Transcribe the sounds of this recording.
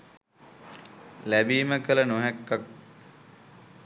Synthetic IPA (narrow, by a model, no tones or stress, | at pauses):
læbiːməkələnoɦækːak̚